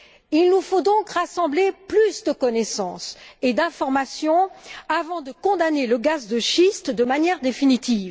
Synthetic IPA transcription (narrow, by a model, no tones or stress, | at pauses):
ilnufod̪ɔ̃kʁasɑ̃bleplysd̪əkɔnɛsɑ̰̃sed̪ɛ̃fɔʁmasjɔ̃avɑ̃d̪əkɔ̃d̪aneləɡazd̪əʃist̪d̪əmanjɛʁd̪efinit̪iːv